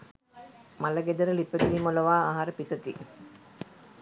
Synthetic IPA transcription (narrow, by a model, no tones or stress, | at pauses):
malɐɡed̪ɐɾəlipːət̪iʋimolɐʋaːaɦaɾəpisɐt̪ḭ